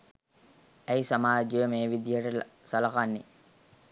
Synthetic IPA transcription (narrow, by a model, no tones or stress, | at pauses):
æjsamaːd͡ʒjəmeːʋid̪jəʈəsɐlakanːe